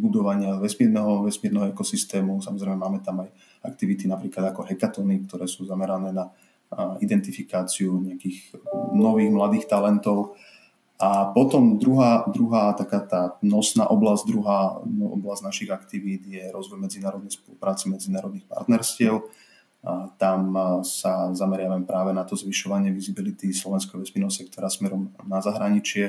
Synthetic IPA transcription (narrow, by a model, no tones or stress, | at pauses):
bud̪ɔʋaɲɪaʋɛsmiːɾnɛɦɔʋɛsmiɛɾnɛɦɔɛkɔsist̪ɛːmusamɔzɾɛɪmɛmaːmɛt̪amaj | ak̚t̪iʋit̪inapɾiːklad̪akɔɦɛkat̪ɔnik̚t̪ɔɾɛːsuːzamɛɾanɛːna | id̪ɛnt̪ifikaːt͡siuɲɛakiːɣnɔʋiːɣmlad̪iːxt̪alɛnt̪ɔʊ | ʔapɔt̪ɔmd̪ɾuɦaːd̪ɾuɦaːt̪akaːt̪aːnɔsna̰ːʔɔblazɟd̪ɾuɦaːʔɔ̰blaznaʃiɣakt̪iʋiːd̪jɛɾɔzʋɔjmɛd͡zinaːɾɔd̪nɛjspɔlupɾaːt͡simɛd͡zinaːɾɔd̪nixpa̰ɾt̪nɛɾscɪɛʊ | t̪amsazamɛɾɪaʋamɛpɾaːʋɛnat̪ɔzʋiʃɔʋaɲɪɛʋizibilit̪islɔʋɛnskɔʋɛspinɔsɛk̚t̪ɔɾaːsmɛɾɔmnazaɦɾaɲit͡ʃɪɛ